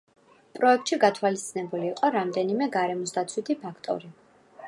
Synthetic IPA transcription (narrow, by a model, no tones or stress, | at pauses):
pʼɾɔɛk̚t̪ʼʃiɡat̪ʰwalist̪sinɛbuliːqʼɔɾamd̪ɛnimɛɡaɾɛmɔsd̪at̪sʰwit̪ʰipʰakʰt̪ʼɔ̰ɾi